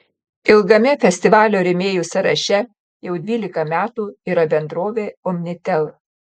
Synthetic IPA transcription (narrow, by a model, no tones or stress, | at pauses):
ɪlˠɡɐmʲɪfʲɛsʲt̪ʲɪʋɑːlʲoːɾʲɪmʲeːjuːsɐɾɐʃʲɛ | jɛʊd̪ʲʋʲiːlʲɪkɐmʲæːt̪uːiːɾɐbʲɛnd̪ɾoːʋʲeːɔmʲnʲɪt̪ʲɛlˠ